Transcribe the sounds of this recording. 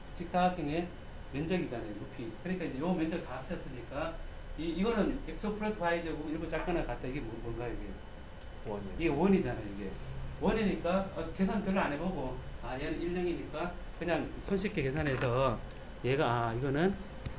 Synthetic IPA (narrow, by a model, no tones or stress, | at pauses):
t͡ɕʰik̚s͈ʰaɦakʰeŋe̞ | mend͡ʑʌɡid͡ʑanajonupʰikɯɲik͈aind͡ʑejoɡʌmjʌnd͡ʑʌɡtat͡ɕʰʌs͈ɯɲik͈a | iːɡʌnɯnek̚sopʰɯɾes͈ʰɯpʰaid͡ʑʌɡoiɭbut͡ɕ͈ak͈anakat̚t͈aiɡe̞monmʌnɡajoiɡe̞ | wʌd͡ʑoiɡe̞wʌɲid͡ʑanajoiɡe̞̰wʌɲiɲik͈aʌke̞sʰankɯɭːlːaneboɡoajenɯniɭmʌŋiɲik͈a | kɯɲaŋsʰonɕ̬ʰik͈ʰːeke̞sʰanɦe̞sʰʌ | jeɡaːiɡʌnɯn